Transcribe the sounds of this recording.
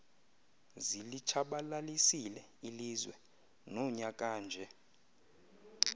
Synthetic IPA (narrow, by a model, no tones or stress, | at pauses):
zilit͡ʃʰaɓalalisilɛ | ilizwɛ | nɔɲak̬ʼaːnd͡ʒʱɛ